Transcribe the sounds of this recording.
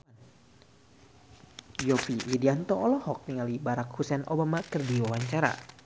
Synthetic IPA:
jɔpiwidiant̪ɔːlɔhɔk̚niŋalibaɾakhusɛnʔobamakɨrdiwawaɲt͡ʃaɾa̰

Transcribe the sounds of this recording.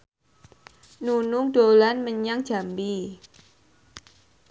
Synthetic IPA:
nunʊŋdolanməɲaŋdd͡ʒ̥a̤mbi

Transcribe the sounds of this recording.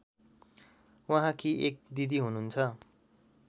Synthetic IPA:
wãɦãkiʔek̚d̪id̪iɦununt͡sʰʌ

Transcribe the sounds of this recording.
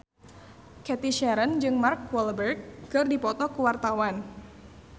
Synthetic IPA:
kɛt̪iʃɛɾənd͡ʒɨŋmarkwɔlbɛrɡ̚ːɨrdipɔt̪ɔkuwart̪awan

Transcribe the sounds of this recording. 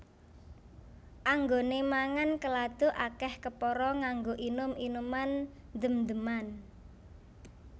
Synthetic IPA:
ʔaŋɡonemaŋankəlad̪̥o̤ʔakɛhkəpɔɾɔŋaŋɡoʔinʊminuman | d̪əmd̪əman

